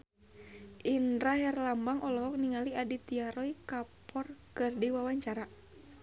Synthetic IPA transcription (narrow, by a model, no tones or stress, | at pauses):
ʔinɾaɦɛrlambaŋʔɔlɔɦɔk̚niŋaliadit̪iaɾɔikapʰɔrkɨrdiwawaɲt͡ʃaɾa